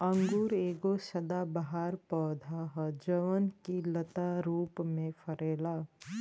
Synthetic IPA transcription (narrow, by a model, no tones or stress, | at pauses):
ə̃ŋɡuɾeːɡosəd̪abaɦaːɾpɔːd̪ʱaɦd͡ʒəʋənkilət̪aɾuːpmẽfʰəɾeːla